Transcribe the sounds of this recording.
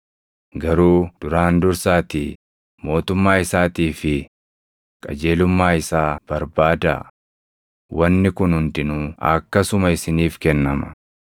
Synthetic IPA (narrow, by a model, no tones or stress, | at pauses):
ɡɐɾuːd̪̥ʊɾaːnd̪ʊɾsaːt̪iː | mo̞ːt̪ʊmːaːɪsaːt̪iːfɪ | kʼɐ̰d͡ʒe̞ːlʊmːaːɪsaːb̥ɐɾbaːd̪ɐ̰ | wɐnːɪkʊnhʊnt̪ɪnuːɐ̰kːɐsʊmɐɪsɪniːfkɛnːɐmɐ